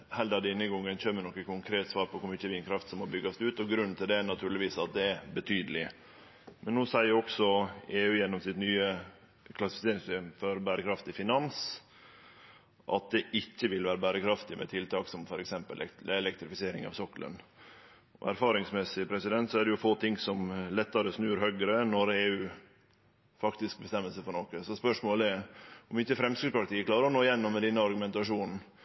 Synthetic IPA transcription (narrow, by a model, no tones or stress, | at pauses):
hɛld̪ɑd̪ɛɪnːəɡɔŋːənçøːmːənɔkːəkʰʊŋkʰɾeːt̪sʋɑːɾpʰɔkʰʊmɪtːəʋiːnkʰɾɑft̪sɔmːɔbʏɡɑsd̪ɛʉːt̪ɔɡɾʉnnt̪ʰɪld̪ɛænɑt̪ʰʉːɾɭɪʋiːsɑt̪̚d̪ɛæbət̪ʰyːd̪əlɪ | mɛnːuːsæɪəɾɔksɔeːʉːjɛnːɔmsɪt̪nyːə | kʰlɑsɪ̥fɪseːɾɪŋst̪yːmfɔɾbæːɾəkʰɾɑft̪ɪfɪnɑns | ʔɑ̰t̪̚d̪ɛʔɪcːəʋɪlʋæːɾəbæːɾəkʰɾɑft̪ɪmɛ̰t̪ʰɪlt̪ʰɑːksɔmfɔɾɛksɛmpə̰lʔɛɛlɛkt̪ɾɪfɪseːɾɪŋɑ̰ʋsɔklə̰n | ʔɔ̰æ̰ɾfɑːɾɪŋsmɛsɪpʰɾɛsɪd̪ɛnt̪sɔæɖɛjʊfoːt̪ʰɪŋːsɔmlɛt̪ːɑɾəsnʉːɾhœɡɾənɔɾeːʉː | fɑkt̪ɪsk̚bəst̪ɛmːəlsəfɔɾɳoːkəsɔspœʂmoːlɛɔmɪçːəfɾɛmskɾɪspʰɾɑkt̪iːəkʰlɑːɾəɾɔnoːɪjɛnːɔmːɛd̪ɛnːəɑɾɡʉmɛnt̪ɑʂuːnn̩